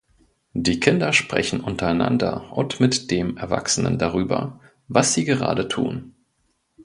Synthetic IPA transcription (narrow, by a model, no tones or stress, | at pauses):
d̥iːkʰɪndɐʃpʁ̥ɛ̰çn̩ʔʊntɐaɪna̰ndɐʔʊntmɪtd̥eːmɛɐva̰ksənə̰ndaʁ̞yːbɐ̰ | vasz̥iːɡəʁ̞a̰ːdətʰṵːn